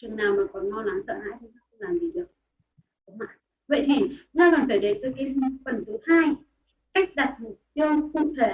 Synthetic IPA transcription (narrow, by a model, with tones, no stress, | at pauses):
t͡ɕɨ˨˩ŋnaː˨˩wmaː˨˩kɔ˨˩nmɔ˧la˨˦nsə̰ː˧˨ha̰ː˧˥jt̪ʰi˨˩na˧˦˥kxʊ̰˧˥laː˨˩mzi˨˩ɗə˨˩k̚ | kə̰˨˦ŋ͡mma̰ː˧˨j | və̰˧˨jt̪ʰi˨˩ɲa˧kɔ˨˩nfe˧˩ɗe˨˦t̪əː˧˦jkaː˨˦m˧˦fə˨˩nt̪ʰɨ˨˦haː˧j | ka˦˥jk̟̚ɗa˨˩t̚mu˨˩p̚t̪i˧əwkʊ̰˧˨ŋ͡mt̪ʰe˧˩